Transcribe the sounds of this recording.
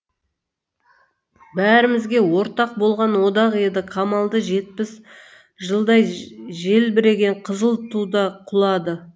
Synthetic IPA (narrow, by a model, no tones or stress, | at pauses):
bæɾɪmɪzɡʲe̞wo̞ɾt̪ɑq̚bo̞lˠʁɑnwo̞d̪ɑqe̞d̪ɪqʰɑmɑlˠd̪əʒe̞t̪̚pɪs | ʒəlˠd̪ɑjʒe̞lbɪɾe̞ɡʲe̞ɴqʰəzəlˠt̪ʰud̪ɑqʰʊlˠɑd̪ə